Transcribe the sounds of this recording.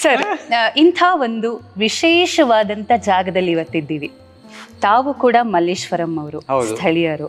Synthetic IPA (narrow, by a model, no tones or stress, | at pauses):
sɐɾint̪ʰaːʋo̞nd̪uʋiʃeːʃɐʋaːd̪ɐnt̪ɐd͡ʒaːɡɐd̪ɐlːiiʋɐt̪ːid̪ːiːʋi | t̪aːʋukuːɽɐmɐleːʃʋɐɾɐmɐʋɐɾuɦɐst̪ʰɐɭijɐɾu